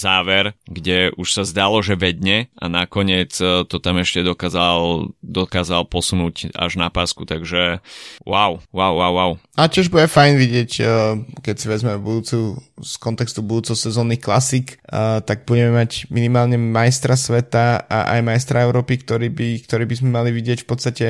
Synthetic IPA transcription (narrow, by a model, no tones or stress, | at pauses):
zaːʋɛɾɡɟɛʔuʃsazd̪alɔʒɛʋɛd̪ɲɛa̰nakɔɲɪɛt͡st̪ɔt̪amɛʃcɛd̪ɔkaːzald̪ɔkaːzalpɔsunuːca̰ʒnapaːskut̪aɡʒɛwaʊwawːaʊwːaʊacɪɛʒbujɛfajnʋiɟɪɛckɛcsiʋɛd͡zmɛbud̪uːt͡suskɔnt̪ɛkst̪ubud̪uːt͡sɛsɛzɔːniːxklasikt̪aɡ̚buɟɛmɛmaɟminimaːlɲɛmajst̪ɾasʋɛt̪aa̰ʔa̰jmajst̪ɾʔaɛʊɾɔːpikt̪ɔɾiːbik̚t̪ɔɾiːbizmɛmaliʋiɟɪɛcfpɔt̪t͡sst̪acɛ